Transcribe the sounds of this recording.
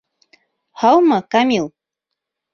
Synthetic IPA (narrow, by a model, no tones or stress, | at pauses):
hawmakamɪl